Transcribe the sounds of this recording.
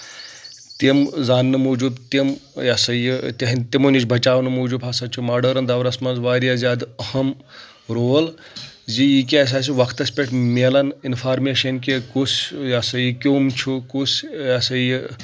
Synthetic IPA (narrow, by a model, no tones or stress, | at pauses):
t̪imzaːnːɨmuːd͡ʒub̪t̪imjaːsɐjit̪ɐɦint̪imunit͡ʃʰʲbʱɐt͡ʃaːʋnɨmuːd͡ʒuːbɐsɐt͡ʃʰumaːɖɐːɾɐnd̪ɐʋɾɐsmɐnzʋaːɾjaːzjaːd̪ɐhɐm | ɾoːl | zijik̬ʲes̬aːs̬iʋɐkʰt̪ɐsʲpʲeʈʰmelɐninfʰaːɾmeːʃɐnkekusjasɐjikʲoːmt͡ʃʰukusjasɐji